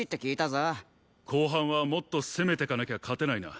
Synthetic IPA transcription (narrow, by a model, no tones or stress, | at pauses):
it̪ːe̞kʲiːt̪aza | kʰo̞ːɦãɰ̃βamo̞t̪ːo̞seme̞t̪e̞kanakʲeakʰat̪e̞naina̰